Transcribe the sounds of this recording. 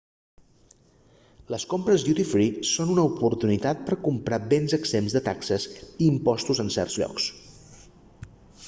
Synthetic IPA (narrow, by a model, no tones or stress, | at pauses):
ləskompɾəzd̪jut̪ifɾisonunəupuɾt̪unit̪at̪̚pəɾkumpɾabenzəɡzemzðət̪aksəziːmpɔst̪uzənsɛ̰rdzʎɔ̰ks